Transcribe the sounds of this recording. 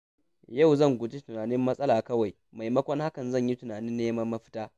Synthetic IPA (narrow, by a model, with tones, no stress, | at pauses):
jɐ˦˨wzɐ˦˨ŋɡʷʊ˨d͡ʒi˦tʊ˨naː˨nɪ˦mːɐ˦sʼɐ˦laː˨kɐ˦wa˨j | ma˨jmɐ˦kʷɔ˦ŋha˦kɐ˨nzɐ˦˨ɲji˦tʊ˨naː˨nɪ˦nːeː˦mɐ˦mːɐ˦ɸɪ̥˦taː˦